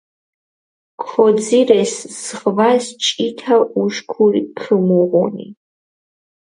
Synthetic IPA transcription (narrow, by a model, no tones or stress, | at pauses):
kʰɔd͡zirɛszʁvast͡ʃʼitʰauʃkʷʰurikʰɨmuʁɔ̰nḭ